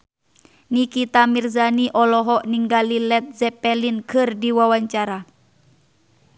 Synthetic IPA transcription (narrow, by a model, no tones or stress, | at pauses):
nikit̪amirzaniʔɔlɔɦɔʔniŋɡalilɛt̪̚zɛpɛlinkʰɨrdiwawaɲt͡ʃaɾa